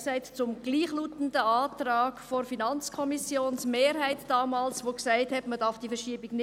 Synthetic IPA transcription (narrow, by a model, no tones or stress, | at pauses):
sæɪtt͡sʊmɡ̥liːχluːtən̩dəaːtɾaːɡ̥foɾfinɑnt͡skʰɔmisjoːnsmeːɾɦæɪtd̥ɑːmɑːlsʋoːksaɪthɛtməd̥ɑɾfd̥iːfɛʃiːbɪɡnɪ